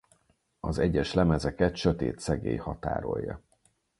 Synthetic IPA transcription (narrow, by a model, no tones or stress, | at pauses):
ɒzɛɟːɛʃlɛmɛzɛkɛt̪ʃøt̪eːt̪sɛɡeːjhɒt̪a̰ːɾo̞jːɒ̰